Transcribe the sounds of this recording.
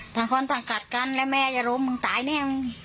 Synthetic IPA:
t̪aː˧˩ŋkʰɔː˧˥nt̪a˧˩ka˨˩t̪̚ka˧˥˨nlɛ˦˧˥mɛː˧˨jaː˧ɾo˧˥mːɯ˧ŋt̪aː˨˦jnɛː˧˩˨mɯ˧ŋ

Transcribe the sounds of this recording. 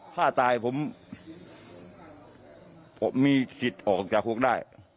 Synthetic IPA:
t̪ʰaː˥˩t̪aː˧jpʰo˩˦m˨˩ | miː˧si˨˩t̪̚ʔɔː˨˩k̚t͡ɕaː˨˩kʰhu˧˥˩ək̚daː˥˩j

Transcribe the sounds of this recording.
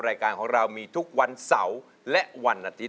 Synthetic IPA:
ɾaː˧jkaː˧nkʰɔː˩˦ŋɾa˧wmiː˧t̪ʰu˦˥k̚wa˧nsa˩˦w | lɛ˦˥ʔwa˧nʔaː˧t̪ʰi˦˥

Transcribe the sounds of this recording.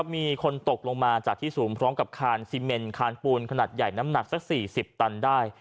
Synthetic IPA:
a˦˥p̚miː˧kʰo˧nt̪o˨˩k̚lo˧ŋmaː˧t͡ɕaː˨˩k̚t̪ʰiː˥˩suː˩˦mpʰɾɔː˦˥mka˨˩p̚kʰaː˧nsiː˧me˧nkʰaː˧npuː˧nkʰa˧naː˨˩t̪̚ja˨˩jna˦˥mna˨˩k̚sa˦˩k̚siː˨˩si˨˩p̚t̪a˧ndaː˥˩j

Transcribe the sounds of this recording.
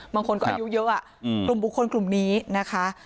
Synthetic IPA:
baː˧ŋkʰo˧nkɔː˥ʔa̰˧ju˦˥jɤ˦˥ʔa˨˩ | klu˨˩mbu˨˩kʰːo˧nklu˨˩mniː˦˥na˦˥kʰa˦˥

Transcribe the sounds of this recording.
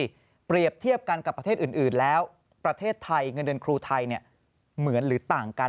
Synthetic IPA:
pɾi˨˩əp̚t̪ʰi˥˩əp̚ka˧nka˨˩pɾt̪ʰeː˥˩t̪ʔɯː˨˩nʔɯː˨˩nlɛː˦˥w | pɾa˧t̪ʰeː˥˩t̪ʰːa˧jŋɤ˧ndɯ˧nkʰɾuː˧t̪ʰa˧jni˥˩ə | mɯ˩˦ənɾɯː˩˦t̪aː˨˩ŋka˧

